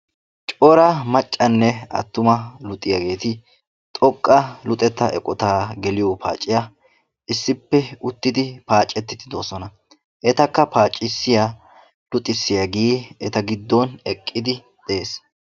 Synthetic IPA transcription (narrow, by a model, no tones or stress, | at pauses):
t͡ʃʼɔɾɐmɐt͡ʃʼːɐnːɛɐ̰t̪ːʊmɐlʊt̪ʼːɪjɐɡe̞ːt̪ɪ | t̪ʼɔkʼːɐlʊt̪ʼɛt̪ːɐʔɛ̰kʼɔt̪aːɡɛlɪjɔpʰa̰ːt͡ʃʼːɪja | ɪsːɪpːɛʊt̪ːɪd̪ɪpaːt͡ʃʼːɛt̪ːɪt̪ɪd̪oːsɔnɐ | ʔɛt̪ɐkːɐpaːt͡ʃʼːɪsːɪja | lʊt̪ʼɪsːɪjɐɡiːɛt̪ɐɡɪd̪ːɔnɛkʼːɪd̪ɪ | d̪̥ɛeːs